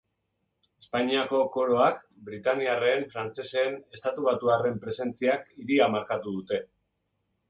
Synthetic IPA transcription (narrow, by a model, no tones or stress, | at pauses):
e̞spaɲiako̞ko̞ɾo̞ak | bɾit̪aniare̞ɱfɾant͡se̞se̞ːne̞st̪at̪uβ̞at̪uare̞mpɾe̞se̞nt͡siakiɾiamaɾkat̪uðut̪e̞